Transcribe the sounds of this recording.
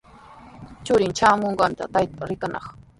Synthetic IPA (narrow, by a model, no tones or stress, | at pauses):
t͡ʃʊɾɪnt͡ʃaːmoɴɢɑnt̪a̰t̪ajt̪aɾɪkanɑ̰χ